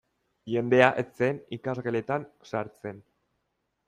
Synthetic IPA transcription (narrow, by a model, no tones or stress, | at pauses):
ʝe̞nd̪e̞aʔet͡se̞nikazɣele̞t̪ansaɾt͡sen